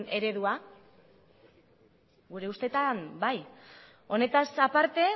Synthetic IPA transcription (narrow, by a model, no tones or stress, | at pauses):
ne̞ɾe̞ðua | ɡuɾe̞ust̪e̞t̪ambaj | o̞ne̞t̪asapaɾt̪e̞